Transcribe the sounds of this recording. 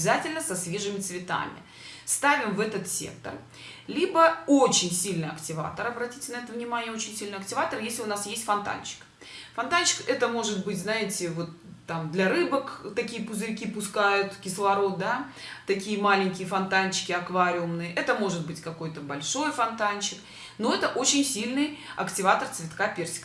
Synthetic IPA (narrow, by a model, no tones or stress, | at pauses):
zatʲɪlʲnəsɐsvʲe̞ʐɨmʲɪt̪svʲɪt̪a̰mʲɪ̰ | st̪avʲɪmvɛt̪ət̪sʲḛk̚t̪ə̰r | lʲibəot͡ɕɪnʲsʲilʲnɨjɐktʲɪva̰t̪əɾɐbɾɐtʲitʲɪnɐɛt̪əvnʲɪmanʲɪjəot͡ɕɪnʲsʲilʲnɪɐk̚tʲɪvat̪ərjesʲlʲɪʊnasjesʲtʲfɐnt̪a̰nt͡ɕɪ̥k | fɐnt̪ant͡ɕɪ̥kɛt̪əmo̞ʐɨt̪̚bɨtʲznaɪtʲɪvo̞t̪ː | amd̪lʲɐɾɨbəkt̪ɐkʲijəpʊzɨɾʲkʲipʊskajʊt̪kʲɪslˠɐɾo̞t̪̚d̪a | t̪ɐkʲijəmalʲɪnʲkʲɪjəfɐnt̪ant͡ɕɪ̥kʲɪɐkvaɾʲɪʊmnɨjəʔɛt̪əmo̞ʐɨt̪̚bɨtʲkɐko̞jt̪əbɐlʲʂo̞jfɐnt̪ant͡ɕɪk | no̞ɛt̪əʔot͡ɕɪnʲsʲilʲnɨjɐ̰ktʲɪvat̪ərt̪svʲɪt̪kapʲersʲɪ̥k